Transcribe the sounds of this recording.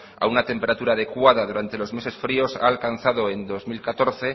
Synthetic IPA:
a̰unat̪e̞mpeɾat̪uɾaːð̞e̞kwað̞aðuɾant̪e̞lo̞zme̞se̞sfɾio̞sa̰ːlkan̟θað̞oend̪o̞zmilkat̪o̞ɾθe̞

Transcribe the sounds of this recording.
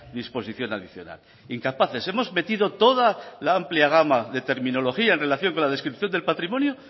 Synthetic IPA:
ðispo̞siθjo̞naðiθjo̞̰na̰l | iŋkapaθe̞se̞mo̞zme̞t̪iðo̞t̪o̞ðalaampljaɣ̞amaðe̞t̪e̞ɾmĩno̞lo̞xiaenre̞laθjo̞ŋko̞nlaðe̞skɾipθjo̞nd̪e̞lpat̪ɾimõ̞njo

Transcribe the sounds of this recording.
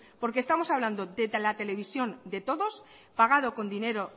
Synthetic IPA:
po̞ɾkest̪amo̞saβland̪oðelat̪e̞le̞β̞isjo̞nd̪e̞t̪o̞ðo̞s | paɣ̞að̞o̞ko̞nd̪ine̞ɾo

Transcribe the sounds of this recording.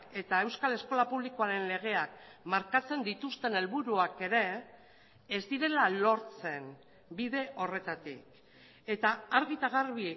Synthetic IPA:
e̞t̪ae̞wskale̞sko̞lapuβliko̞aɾe̞nle̞ɣ̞e̞akmaɾkat͡se̞nd̪it̪ust̪e̞ne̞lβuɾuake̞ɾe̞ː | zd̪iɾe̞lalo̞ɾt͡se̞n | biðe̞ʔo̞re̞t̪at̪ḭk | e̞t̪aaɾɣit̪aɣarβi

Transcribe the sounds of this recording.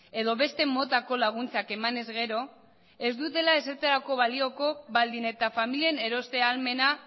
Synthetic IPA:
e̞ðo̞βe̞st̪e̞mo̞t̪ako̞laɣ̞unt͡sake̞mane̞zɣe̞ɾo̞ | e̞zd̪ut̪e̞lae̞seɾt̪eɾako̞βalio̞ko̞βald̪ine̞t̪afamiliene̞ɾo̞st̪e̞alme̞na

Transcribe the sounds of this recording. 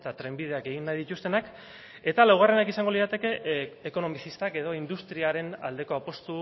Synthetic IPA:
t̪at̪ɾe̞mbið̞e̞ake̞ɣ̞inːajðit̪ust̪e̞nak | e̞t̪alawɣ̞arenakisaŋɡo̞lisat̪e̞ke̞eko̞no̞misist̪ake̞ð̞o̞ind̪ust̪ɾiaɾe̞na̰ld̪e̞ko̞apo̞st̪u

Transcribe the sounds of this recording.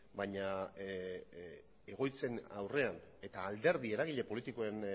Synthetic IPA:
baɲa | e̞ɣ̞o̞jt͡se̞na̰wre̞ane̞t̪aːld̪e̞ɾðie̞ɾaɣiʎe̞po̞lit̪iko̞e̞n

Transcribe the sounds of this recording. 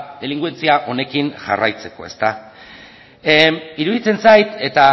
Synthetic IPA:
d̪eliŋɡue̞nt͡siaʔo̞ne̞kinʝa̰ra̰jt͡se̞ko̞e̞st̪a | iɾuðit͡se̞nsajt̪e̞t̪a

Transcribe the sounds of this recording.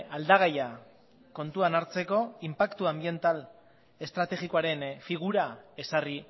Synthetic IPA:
ald̪aɣ̞aja | ko̞nt̪uanaɾt͡se̞ko̞impakt̪uambie̞nt̪al | e̞st̪ɾat̪e̞ɣikoaɾe̞nfiɣ̞uɾae̞sari

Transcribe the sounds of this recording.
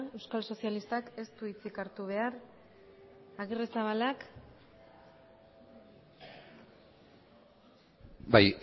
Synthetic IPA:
e̞wskalso̞sialist̪ake̞st̪uit͡sikaɾt̪uβ̞e̞aɾ | aɣiresaβ̞alak | baj

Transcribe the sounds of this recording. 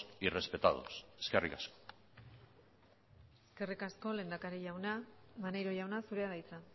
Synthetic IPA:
irespe̞t̪aðṵseske̞rḭkasko̥ | eske̞rikasko̞le̞ːnd̪akaɾeʝawnamane̞ɾo̞ʝawnasuɾe̞aðajt͡sa

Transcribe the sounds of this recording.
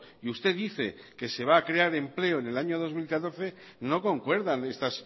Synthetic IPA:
iust̪e̞ðiθe̞ | ke̞se̞βaːkɾe̞aɾe̞mple̞oene̞laɲo̞ð̞o̞zmilkat̪o̞ɾθe̞ | no̞ko̞ŋkwe̞ɾðane̞st̪as

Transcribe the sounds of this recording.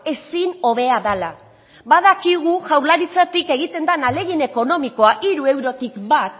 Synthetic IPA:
e̞sino̞β̞e̞aðala | baðakiɣ̞uʝawlaɾit͡sat̪ike̞ɣit̪e̞nd̪anale̞ɣine̞ko̞no̞miko̞aʔiɾue̞wɾo̞t̪ikbat̪

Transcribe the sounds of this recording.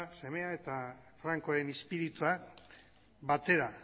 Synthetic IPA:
se̞me̞ae̞t̪afɾaŋko̞aɾe̞nespiɾit̪ua | βat̪e̞ɾa

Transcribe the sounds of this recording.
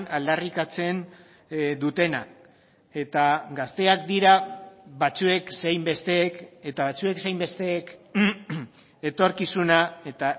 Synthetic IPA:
nald̪arikat͡se̞n | d̪ut̪e̞na̰ | e̞t̪aɡast̪e̞ak̚d̪iɾaβat͡sue̞ksejmbe̞st̪e̞ːke̞t̪aβat͡sue̞ksejmbe̞st̪e̞ːk | e̞t̪o̞ɾkisunae̞t̪a

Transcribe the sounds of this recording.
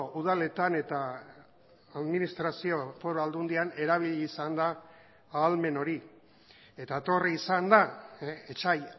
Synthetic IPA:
uð̞ale̞t̪ane̞t̪a | ðminist̪ɾasio̞fo̞ɾoald̪und̪iane̞ɾaβ̞iʎiːsand̪aː | lme̞no̞ɾi | e̞t̪at̪o̞riːsand̪aet͡ʃaj

